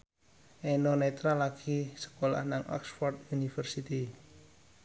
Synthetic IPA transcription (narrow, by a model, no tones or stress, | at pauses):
ʔenonet̪ɾalaɡ̥isə̥kola̰hnaŋʔɔ̰ksfɔrt̪̚unifərsit̪i